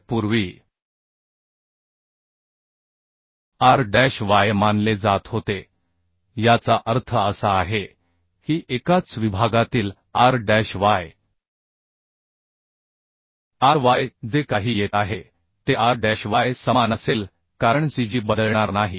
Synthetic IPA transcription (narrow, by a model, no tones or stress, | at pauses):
puɾʋiː | aɾɖæɕʋajmanled͡zat̪ɦot̪e | jat͡saʔəɾt̪ʰəəsaːɦe | hiːʔekat͡sʋibʱaɡat̪iːl | aɾɖæɕʋaj | aɾʋajd͡zekaɦiːjet̪aɦe | t̪eaɾɖæɕʋajsəmanəseːl | kaɾəɳsid͡ʑiːbəd̪əɭɳaɾnaɦiː